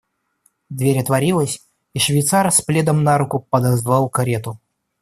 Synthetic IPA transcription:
d̪vʲeɾʲɐt̪vɐɾʲilˠəsʲ | iʂvʲɪjt̪sarsplʲed̪əmnaɾukʊpəd̪ɐzvalˠkɐɾʲet̪ʊ

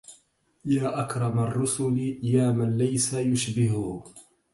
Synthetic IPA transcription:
jaːʔakɾˤɑmarˤːʊsʊljaːmanlajsajʊʃbɪɦʊ

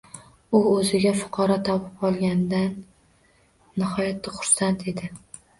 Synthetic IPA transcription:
ʊɵzɪɡʲafʊ̥qʰɑɾɒt̪ʰɒpɪpɒlˠɡʲand̪an | ɪhɒjat̪ʰːɪχʊ̥ɾsant̪ʰe̞d̪ɪ

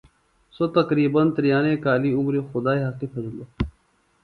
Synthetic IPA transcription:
sot̪ɐkɾiːbɐnt̪əɾijaːneːkaːliːʊmɾexʊd̪aːeɦakifɐzloː

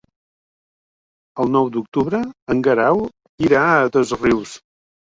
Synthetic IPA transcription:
əlˠnɔwd̪uk̚t̪uβɾəəŋɡəɾaw | iɾat̪əzriws

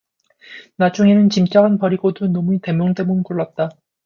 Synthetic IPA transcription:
nad͡ʑ͈ʰuŋenɯnt͡ɕimt͡ɕ͈aɡanpʌɾiɡodonʌmuite̞mjoŋde̞munkuɭːat̚t͈a

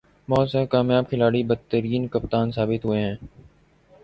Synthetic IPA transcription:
mɔːsɛkaːmjaːbkʰɪlaːɽibət̪ːəɾiːnkəp̚t̪aːnsaːbɪt̪ɦʊeɦɛ̃ː

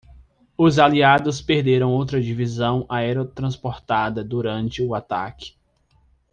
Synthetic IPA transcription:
ʊzaliad̪ʊspeɾd̪eɾɐ̃w̃owt̪ɾɐd͡ʒivizɐ̃w̃ʔaɛɾot̪ɾɐ̃spoɾt̪ad̪ɐd̪uɾɐ̃nt͡ʃɪʊat̪a̰kɪ̥

